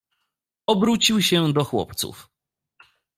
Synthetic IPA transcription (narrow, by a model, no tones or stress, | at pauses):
ɔbɾut͡ɕiwɕɛd̪ɔxwɔ̰pt̪sṵf